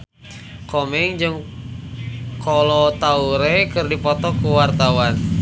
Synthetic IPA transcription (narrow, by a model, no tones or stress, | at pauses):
komɛŋd͡ʒɨŋ | kɔlɔt̪auɾekɨrdipɔt̪ɔkuwart̪awan